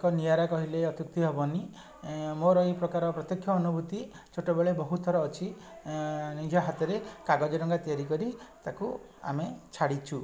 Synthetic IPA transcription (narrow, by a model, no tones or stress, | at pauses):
kɔnijaɾakɔɦileɔt̪juk̚t̪iɦɔbɔni | moɾɔipɾɔkaɾɔpɾɔt̪jɔkʰːjɔːnubut̪i | t͡ʃʰoʈɔbeɭebɔɦut̪ʰɔɾɔːt͡ʃʰi | nijɔɦat̪ɔɾekaɡɔd͡ʒɔɾɔŋɡat̪iaɾikɔɾit̪aku | a̰met͡ʃʰaɽit͡ʃʰu